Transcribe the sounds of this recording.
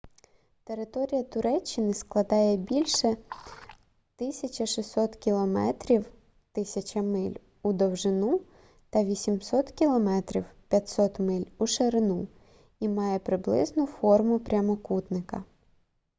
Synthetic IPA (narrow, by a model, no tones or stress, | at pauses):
t̪e̞ɾɪt̪ɔɾʲijɐt̪ʊɾɛt͡ʃːɪnɪsklˠɐd̪ɑjɛbʲilʲʃɛ | t̪ɪsʲɐt͡ʃɐʃisʲɔt̪kʲilˠɔmɛ̰t̪ɾʲiw | t̪ɪsʲɐt͡ʃɐmɪlʲ | ud̪ɔwʒɪnu | t̪ɐʋʲisʲimsɔt̪kʲilˠɔmɛt̪ɾʲiwpʲjɐtʲsɔt̪mɪlʲuʃeɾɪnu | imɑjɛpɾɪblˠɪ̰znʊfɔrmʊpɾʲɐmɔkut̪nɪkɐ